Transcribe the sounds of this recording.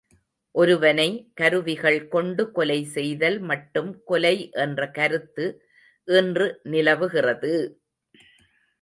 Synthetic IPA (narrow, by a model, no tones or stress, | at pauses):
ʔɔɾɯʋɐnɐɪkɐɾɯʋɪɣɐɭkɔɳɖɯkɔlɐɪsɛjðɐlmɐʈːɯmkɔlɐɪʔɛndrɐkɐɾɯt̪ːɯ | ʔɪndrɯnɪlɐʋɯɣɪrɐðɯ